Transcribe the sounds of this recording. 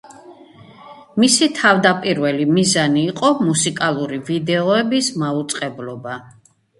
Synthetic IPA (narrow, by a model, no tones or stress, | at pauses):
misit̪ʰavd̪apʼiɾvɛlimizaniːqʼɔmusikʼalˠuɾivid̪ɛɔɛbismaut̪sʼqʼɛblɔba